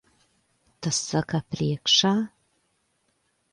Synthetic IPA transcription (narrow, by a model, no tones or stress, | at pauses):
t̪əsəkaprʲekʃa